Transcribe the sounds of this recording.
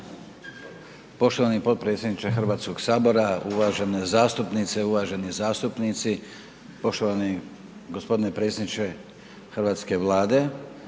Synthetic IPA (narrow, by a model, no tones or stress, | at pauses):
po̞ʃt̪o̞ʋaːnipo̞t̪̚pɾet̪sʲjenit͡ʃexr̩ʋaːt̪sko̞ɡsaːbo̞ɾauʋaːʒe̞nezaːst̪upnit̪seuʋaːʒe̞nizaːst̪upnit̪si | po̞ʃt̪oʋani | ɡospo̞d̪inepɾe̞ːt̪sʲjed̪nit͡ʃe | xrʋaːt̪ske̞ʋlˠaːd̪e̞